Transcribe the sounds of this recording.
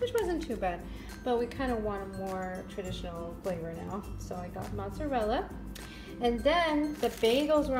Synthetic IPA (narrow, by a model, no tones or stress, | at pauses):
wɨt͡ʃwʌzɨ̃ntʰʉbæd̥̚ | b̥ʌt̚wikʰãɪ̃ndəwɑ̃ɾ̃əmɔɹtʰɹ̥ɨdɪʃn̩l̩ˠfl̥eɪvə˞na̰ʊsoʊaɪɡɑ̰t̚mɑ̃nsə˞vɛlˠə | ɨ̃nðɨ̃nðɨbẽɪ̃ŋɡl̩ˠzwə˞